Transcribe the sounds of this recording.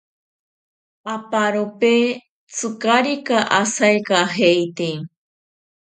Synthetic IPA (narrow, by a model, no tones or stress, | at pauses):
apaɾope | t͡sʰɨkaɾikaʔasajkaɦejt̪e